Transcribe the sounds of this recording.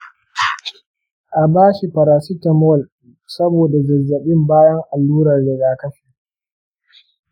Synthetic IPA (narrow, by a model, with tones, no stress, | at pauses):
ʔa˨baː˦ʃi˨ɸɐ˨ɾaː˨si˦tɐ˨mɔ˦˨l | sɐ˦boː˨da˨zɐ˨zːɐ˨ɓɪ˦mbaː˦jɐ˦ŋʔa˨lːuː˦ɾɐ˨rdɪ˨ɡaː˨kɐ˦ɸi˨